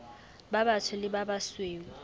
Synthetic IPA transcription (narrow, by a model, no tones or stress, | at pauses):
babatʰʊlɪbabasweːŋ̩